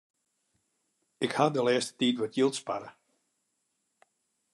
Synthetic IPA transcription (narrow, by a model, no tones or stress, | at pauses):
ɪkhadəlɛəstə̥titʋɔtjilˠtspaɾə